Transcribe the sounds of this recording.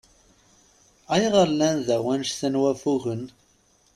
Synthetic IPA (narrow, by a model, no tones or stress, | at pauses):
æjʁəɾlːænðæwænʃθənwæfuɣən